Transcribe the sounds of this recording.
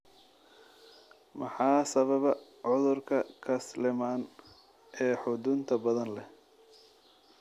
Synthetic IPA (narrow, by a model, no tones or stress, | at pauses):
mɑħɑːsɐβɐβɐ | ʕʊðʊrkʰɐkʰɐslɪmaːn | ʔɛːħʊd̪ʊnt̪ʰɐbɐðɐnlɛ